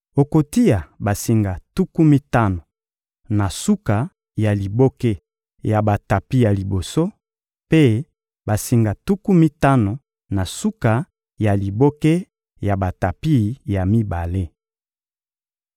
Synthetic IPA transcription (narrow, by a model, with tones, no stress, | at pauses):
o˨ko˨ti˦ja˨ba˨si˨ŋɡa˨tu˦ku˦mi˦ta˦no˨ | na˨su˦ka˨ | ja˨li˨bo˦ke˦ | ja˨ba˨ta˨pi˦ja˨li˨bo˨so˦ | pe˦ | ba˨si˨ŋɡa˨tu˦ku˦mi˦ta˦no˨ | na˨su˦ka˨ | ja˨li˨bo˦ke˦ | ja˨ba˨ta˨pi˦˨ja˨mi˦ba˨le˦